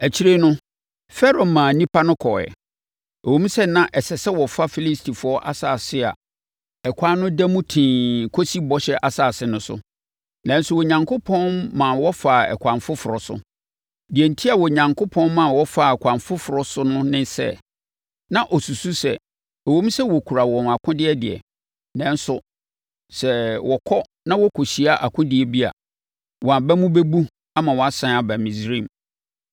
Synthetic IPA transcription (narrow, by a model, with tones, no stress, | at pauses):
æ˨t͡ɕʰi˦ɾe˦nʊ̃˦ | fɛ˦ɾo˨mã˨nĩ˦pʰa˦nʊ̃˦kʰɔ˨ɛ̰˨ | wõ˦m̩˦sɛ˦nã˦ʔɛ˨sɛ˨sɛ˦wɔ˨fa˦fi˦li˦stʰi˨fʊ˨ɔ˦ʔa̰˦saː˨sɪ˦a̰˨ | ɛ˨kʷʰa˦nʊ̃˦dæ˦mũ˦tʰĩ˨kʰo˦si˦bɔ˦ɕɛ˦ʔa˨saː˨sɪ˦nʊ̃˦sʊ̰˨ | nã˨n̩˦sʊ˦˨wɔ˨ɲã˨ŋkʰʊ˦pʰɔ̃˦nːã˨wɔ˦fa˨ɛ̰˨kʰʷã˨ɱfʊ˦fʊ˨ɾɔ˨sʊ̰˦ | di˨ɛ˨n̩˨tʰi˦a˨wɔ˨ɲã˨ŋkʰʊ˦pʰɔ̃˦n˦mã˨wɔ˦fa˨ɛ˨kʰʷã˨ɱfʊ˦fʊ˨ɾɔ˦sʊ˦nʊ̃˦nɪ̃˦sɛ̰˦ | nã˨ʔɔ˨su˨su˦sɛ̰˨ | ɛ˨wo˦m̩˦sɛ˦wɔ˨kʰu˨ɾa˨wɔ̃˨n˨a˨kʰʊ̃˦dɪ˦ɛ˦dɪ˨ɛ̰˨ | nɛ̃˦n˦sʊ˦ | sɛ˨wɔ˨kʰɔ˦ | nã˦wɔ˦kʰɔ˨ɕi˨a˦ʔa˨kʰʊ̃˦dɪ˦ɛ˨bi˦a̰˨ | wɔ˨a˨bɛ˦mʊ̃˦bɛ˦bu˦ | a˦mã˨wɔ˨a˦sã˦a˨bæ˨mĩ˨sɾĩ˦˨m˨